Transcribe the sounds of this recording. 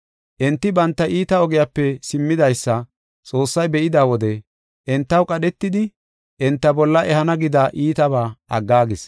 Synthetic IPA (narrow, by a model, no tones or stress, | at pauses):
ʔɛnt̪ːɪbɐnt̪ːɐʔiːt̪ɐɔɡɛjapːɛsɪmːɪd̪ɐjsːɐ | t͡sʼo̞ːsːɐjbɛʔɪd̪aːwɔd̪ɛ | ʔɛnt̪ːɐwkʼɐɗɛt̪ːɪd̪ɪ | ʔɛnt̪ːɐbɔlːɐʔɛhɐnɐɡɪd̪aːʔiːt̪ɐbaːʔɐɡːaːɡɪs